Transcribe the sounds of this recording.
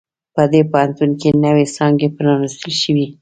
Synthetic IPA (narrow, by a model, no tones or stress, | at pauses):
pəd̪epaɦant̪unkenəwesɑŋɡepənɑnist̪əlʃəwi